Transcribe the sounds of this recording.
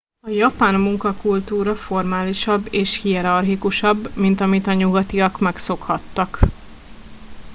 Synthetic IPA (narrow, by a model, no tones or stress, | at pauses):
ɒjɒpaːnmuŋkɒkult̪uːɾɒfo̞rmaːliʃɒbːeːʃhiɛɾɒrɦikuʃɒbːmint̪ɒmit̪ɒɲuɡɒt̪iɒkmɛkso̞khɒt̪ːɒk